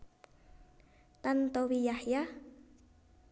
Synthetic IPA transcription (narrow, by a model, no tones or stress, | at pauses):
t̪ant̪ɔwijahja